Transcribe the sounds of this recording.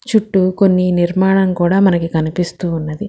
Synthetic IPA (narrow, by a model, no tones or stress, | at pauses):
t͡ʃuʈːuko̞nːiniɾmaːɳɐmkuːɽaːmɐnɐkikɐnipist̪uːnːɐd̪i